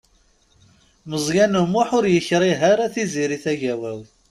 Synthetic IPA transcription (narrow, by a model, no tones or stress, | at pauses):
məzˤjænumʊħʊɾjəçɾˤiɦaɾæθiziɾiθæʝæwæwθ